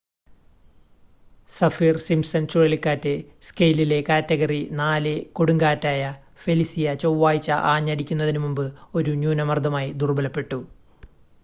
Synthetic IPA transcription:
sɐfiːrsimsɐnt͡ɕoɻilkːaːtːɨskɐjlile̞kaːtːɐɣɐrinaːlɨko̞ɽuŋɡaːtːaːjɐ | felisijɐt͡ɕowːaːjit͡ɕːɐ̰ʔaːɲːɐɽikʲːunːɐðinumumbɨo̞ɾunjuːnɐmɐrd̪ʱɐmaːjid̪urbɐlɐpːe̞ʈːu

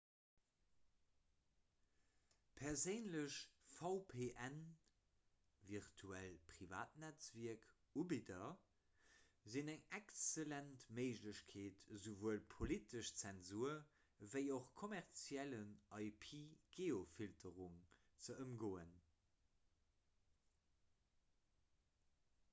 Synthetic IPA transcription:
pʰɛɐzəɪnləɕfɑʊpʰeːʔæn | viʁtʰuælpʁiva̰ːtnæt͡sviɐk | ubidɐ | zinæŋækt͡səlæntməɪʒləɕkʰeːtzovuəlpʰolitəʃt͡sɛnzuɐ | vəɪoχkʰomæʁt͡sjælənɑɪpʰiːɡ̥eːofiltʰəʁuŋ | t͡səəmɡoːən

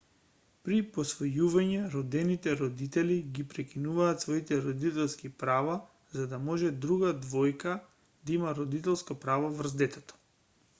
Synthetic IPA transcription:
pɾipɔsvɔjuvaɲɛɾɔd̪ɛnit̪ɛɾɔd̪it̪ɛliɡipɾɛkinuvaːt̪svɔit̪ɛɾɔd̪it̪ɛlˠskipɾava | zad̪amɔʒɛd̪ɾuɡad̪vɔjka | d̪aimaɾɔd̪it̪ɛlˠskapɾavavr̩zd̪ɛt̪ɛt̪ɔ̥

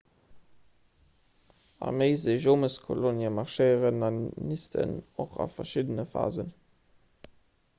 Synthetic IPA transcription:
ɑ̰məɪzeɪʒoːməskʰo̰lonjəmɑʁʃeɪəʁənɑnnistʰə̰noχɑ̰fɐʃidənəfa̰ːzən

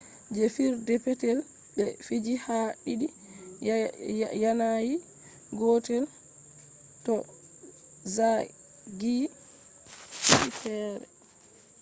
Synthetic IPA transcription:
d͡ʒɛfiɾdɛpɛtɛl | ɓɛfid͡ʒihaɗiɗi | janaji | ɡɔtɛl | tɔ | za | ɡi | iifɛːɾɛ̰

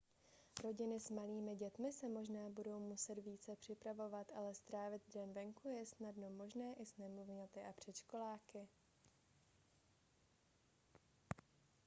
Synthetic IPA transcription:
ɾo̞ɟɪnɪsmaliːmɪɟɛt̪mɪsɛmo̞ʒnaːbudo̞wmusɛt̪viːt͡sɛpr̥ɪpɾavo̞vat̪ʔalɛst̪ɾaːvɪd̪dɛnvɛŋkujɛsnadno̞mo̞ʒnɛːʔɪsnɛmluvɲɛt̪ɪʔapr̝̥ɛt͡ʃko̞laːkɪ

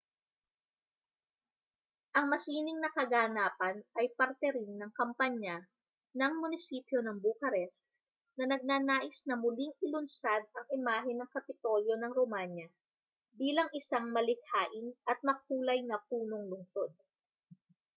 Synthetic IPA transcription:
ʔɐŋmɐsiːnɪŋnɐkɐɡaːnaːpɐnʔɐjpɐɾt̪ɛɾɪnːɐŋkɐmpaɲa | nɐŋmʊnɪsiːpjo̞nɐŋbukɐɾɛs | nɐnɐɡ̚naːnaːʔɪsnɐmʊliŋɪlʊnsad̪̚ɐŋʔɪmaːɦɪnɐŋkɐpɪt̪o̞ːljo̞nɐŋɾomaɲjɐ | biːlɐŋʔɪsaŋmɐlɪɡ̚haːʔɪnʔɐt̪̚mɐk̚uːlɐjnɐpuːno̞ŋlʊŋso̞d̪̚

